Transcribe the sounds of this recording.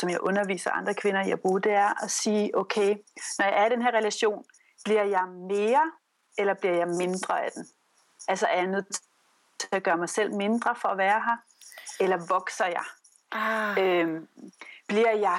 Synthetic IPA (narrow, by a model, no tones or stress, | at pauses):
sɒ̽mjɑ̈ɪʔɔ̽nɐʋḭːsɐʔɑ̈nd̥ʁɐkʰʋe̝nɐiab̥ʁuːd̥eæɐɒsiːʔoʊkʰeɪnɒjɑ̈ɪæɐiɾenɦeɐʁɛlæɕo̝̰ːn | b̥liɐ̰jɑ̈ɪme̝ːɐ | elɐb̥liɐ̰jɑ̈ɪme̝nd̥ʁɐæd̥en | ælsɐæɐɐjɑ̈ɪnoð̰ˠt͡sʰ | t͡sʰeæɡ̥ɶːɐmɑ̈ɪsel̰me̝nd̥ʁɐfɒ̽æʋæːɐɦɑ | elɐʋɒ̽ɡ̥sɐjɑ̈ɪ | øm | b̥liɐ̰jɑ̈ɪ